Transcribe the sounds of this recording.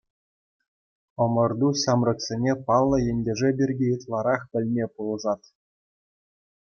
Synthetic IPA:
ɤ̆mɤ̆rd̪uɕɑmrɤ̆ksʲenʲepɑlˠːɤ̆jĕnʲdʲĕʐɘ̆bʲirʲɡʲejɤt̪lˠɑɾɑχpʲɘ̆lʲmʲepulˠɤ̆ʐɑt̪

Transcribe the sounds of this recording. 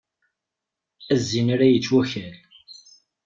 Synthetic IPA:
æzːinaɾæjət͡sːwæçæl

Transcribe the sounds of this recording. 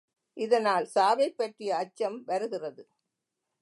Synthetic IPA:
ʔɪðɐnaːlsaːʋɐɪpːɐʈrɪjɐːt͡ʃːɐmʋɐɾɯɣɪrɐðɯ

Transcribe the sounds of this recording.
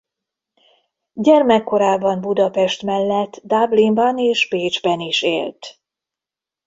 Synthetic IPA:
ɟɛrmɛkːo̞ɾaːbɒmbud̪ɒpɛʃt̪mɛlːɛt̪ːd̪ablimbɒneːʃpeːd͡ʒbɛniʃḛːlt̪

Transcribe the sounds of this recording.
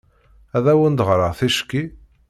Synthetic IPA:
æðæwənd̪ʁɾəʁθiʃkːi

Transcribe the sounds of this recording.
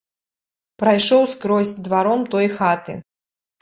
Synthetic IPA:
pɾajʂɔwskɾɔsʲd̪vaɾɔmt̪ɔjxat̪ɨ̰

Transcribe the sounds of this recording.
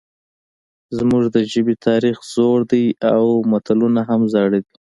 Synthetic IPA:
zmuʒd̪əʒəbit̪ʰɑɾixz̥oɽd̪ajawmat̪alunaɦamzɑɽid̪i

